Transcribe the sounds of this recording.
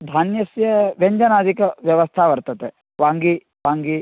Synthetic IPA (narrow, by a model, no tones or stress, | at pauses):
d̪ʱaːnjɐsjɐʋeɲd͡ʒɐnaːd̪ikɐʋjɐʋɐst̪ʰaːʋɐɾt̪ɐt̪e | ʋaːŋɡi | ʋaːŋɡi